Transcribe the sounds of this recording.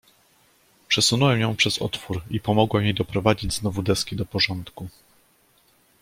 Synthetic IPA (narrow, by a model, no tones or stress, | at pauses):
pʂɛsunɔwɛmjɔ̃w̃pʂɛzɔ̰t̪fuɾipɔmɔɡwɛmjejd̪ɔpɾɔvad͡ʑid͡ʑznɔvud̪ɛskʲid̪ɔpɔʐɔnt̪ku